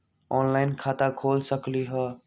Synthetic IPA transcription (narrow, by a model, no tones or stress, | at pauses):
ɔːnlaɪnkʰaːt̪akʰoːlsəkliɦə